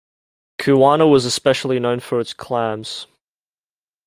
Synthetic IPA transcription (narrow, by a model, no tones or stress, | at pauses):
kʰʉwɑnəwɒzəspɛʃl̩ˠinə̃ʊ̃nfə˞ɨtskʰl̥æ̃mz̥